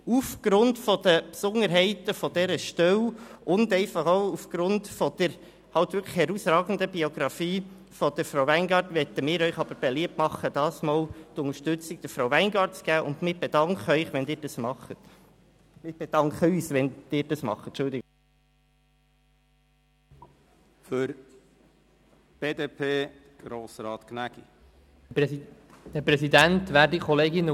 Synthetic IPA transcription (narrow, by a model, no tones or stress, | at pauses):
ufɡ̥ɾʊntfɔd̥̪əpsʊŋəɾɦɛɪt̪əfɔd̥ɛɾəʃtœwʔʊndɛɪfɑχoʊufɡ̥ɾʊntfɔd̥̪əɾ | hɑlt̪ʋʏɾkʰlə̥χhɛɾusɾɑːɡən̩d̪əbioɡ̥ɾɑfiː | fɔd̪əɾfɾaʊʋæɪnɡɑːɾtʋɛt̪əmɪːɾœʏχɑb̥əɾb̥eliəp̚tmɑχəd̥̪ɑːsmɑːlt̪ʊnəɾʃtʏt͡sɪɡ̥̚d̥əɾfɾawʋæɪnɡɑːɾtt͡sɡ̥æːʔʊndmɪb̥ed̥̪ɑŋkχœʏχʋɛndɪːɾd̥ɑsmɑχət | mɪb̥ed̥̪ɑŋkχəyːsʋɛnd̥ɪːɾd̥ɑsmɑ̰χət̚t͡ʃʊld̪ɪɡ | føɾ | b̥eːd̪eːpʰeː | ɡ̥ɾoːsɾɑːt̪knæɡ̥i | dɛɾpɾɛsid̪ænt̪ʋæːɾdikʰɔleːɡɪnə